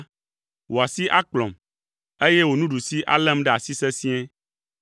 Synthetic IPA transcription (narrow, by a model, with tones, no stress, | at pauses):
wʔo˨a˨si˦ʔa˦k͡plɔ̰̃˨m | e˦je˦wo˨nũ˦ɖu˨si˦ʔa̰˦lɛ̃˦mɖɛ˦a˨si˦sɛ˦sĩ˦ɛ̃˦